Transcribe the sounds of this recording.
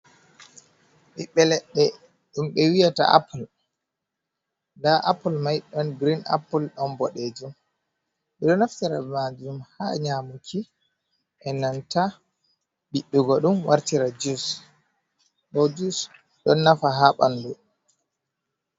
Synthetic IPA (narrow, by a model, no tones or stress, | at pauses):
ɓiɓːɛlɛɗːɛ | ɗumɓɛwijata̰ʔa̰pul | ndaʔapulmajɗɔnɡɾina̰pːulɗɔnbɔɗed͡ʒum | ɓɛɗɔnaftiɾamad͡ʒumhaɲamukʰi | ʔɛnanta | ɓiɗːuɡɔɗumwaɾtiɾad͡ʒus | ɗɔd͡ʒus | ɗɔnːafaɦaɓa̰ndu